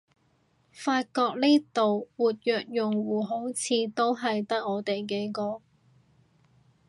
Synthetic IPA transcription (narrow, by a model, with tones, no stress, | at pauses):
faː˧t̚kɔː˧k̚niː˥t̪o˨wwuː˨t̚jœː˨k̚jʊ˨˩ŋwuː˨˩ɦo˨˥wt͡sʰiː˧t̪o˥wɦɐ˨jt̪ɐ˥k̚ːɔː˨˧t̪e˨jk̬e˨˧˥jkɔː˨˧